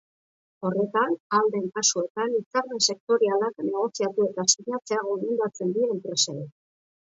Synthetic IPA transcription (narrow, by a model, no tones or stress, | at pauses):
o̞re̞t̪anald̪e̞ŋkasue̞t̪anit͡saɾmese̞k̚t̪o̞ɾialakne̞ɣ̞o̞siat̪ue̞t̪asiɲat͡se̞aɣ̞o̞mend̪at͡se̞nd̪iempɾe̞seɾi